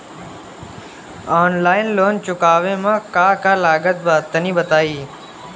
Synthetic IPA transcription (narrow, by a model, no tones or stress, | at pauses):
aːnlaːɪnloːnt͡ʃʊkaːʋẽːmãːkaːkaːlaːɡət̪̚baːt̪ənĩːbət̪aːiː